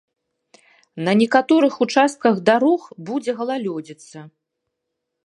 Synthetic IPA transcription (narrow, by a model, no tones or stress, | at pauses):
nɐnʲɛkat̪ɔɾɨxut͡ʂast̪̚kɐɣd̪aɾɔxbud͡zʲɛɣɐlˠalʲɔd͡zʲit̪sːɐ